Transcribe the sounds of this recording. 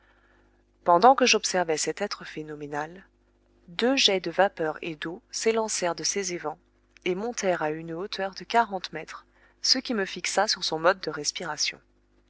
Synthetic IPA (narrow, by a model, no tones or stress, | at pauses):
pɑ̃d̪ɑ̃kəʒɔpsɛʁvɛsɛt̪ɛt̪χəfenɔmenal | d̪øʒɛd̪əvapœʁḛd̪oselɑ̃sɛʁd̪əsezevɑ̃ | emɔ̃t̪ɛʁaynot̪ʰœʁd̪əkaʁɑ̃t̪mɛt̪χ | səkʲiməfiksasyʁsɔ̃mɔd̪̚ːəʁɛspiʁasjɔ̰̃